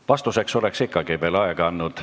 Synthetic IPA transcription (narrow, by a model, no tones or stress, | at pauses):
vɑst̪use̞kso̞le̞ksikːɑɡ̥ive̞ːlɑeɡ̥ɑɑnːud̪̥